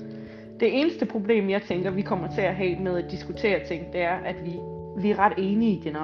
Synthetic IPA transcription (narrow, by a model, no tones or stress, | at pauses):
d̥e̝ʔe̝ːnəsd̥əpʰʁo̝b̥le̝̰ːmjɑ̈ɪt͡sʰeŋɡ̥ɐʋikʰɒ̽m̰ɐt͡sʰe̝æɦɛ̰ːmeð̞ˠæd̥isɡ̥ut͡sʰe̝̰ːɐt͡sʰe̝ŋ̰d̥e̝æɐʔæd̥ʋi | ʋiæɐʁɑ̈d̥e̝ːniid̥en